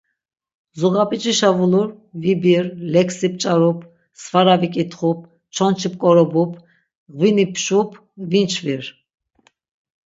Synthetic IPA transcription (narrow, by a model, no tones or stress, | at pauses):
zuɣapʼit͡ʃʼiʃavuluɾvibiɾlɛksip̚ʼt͡ʃʼaɾupʰ | svaɾavikʼit̪ʰχup̚ʰ | t͡ʃʰɔnt͡ʃʰip̚ʼkʼɔɾɔbupʰ | ɣvinipʰʃupʰ | vint͡ʃʰviɾ